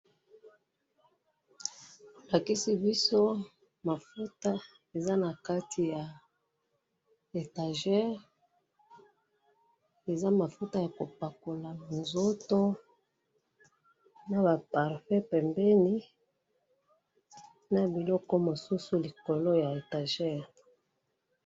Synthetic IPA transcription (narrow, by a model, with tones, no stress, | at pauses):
la˨ki˦si˦bi˦so˦ | ma˨fu˦ta˦ | e˨za˦na˨ka˦tʰi˨ja˨ | e˨ta˨ʒɛ˦ʁ | e˨za˦ma˨fu˦ta˦ja˨ko˨pa˨ko˨la˨nzo˦to˦ | na˨ba˨pa˨ʁfɛ˦pɛ˨mbɛ˦ni˦ | na˨bi˨lɔ˦kɔ˦mo˨su˦su˦li˨ko˨lo˦ja˨e˨ta˨ʒɛ˦ʁ